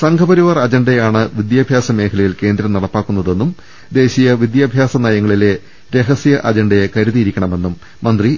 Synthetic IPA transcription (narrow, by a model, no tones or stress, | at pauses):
sɐŋkʰɐbɐɾiʋɐrɐd͡ʑɐɳɖejaːɳɨʋid̪jaːbʱjaːsɐme̞ːkʰɐlɐjilke̞ːnd̪ɾɐmnɐɽɐpːaːkːunːɐðe̞nːum | d̪e̞ːɕijɐʋid̪jaːbʱjaːsɐnajɐŋːɐɭile̞ | ɾe̞ɦɐsijɐʔɐd͡ʑɐɳɖɐjekɐɾuðijiɾikʲːɐɳɐme̞nːumːɐnd̪ri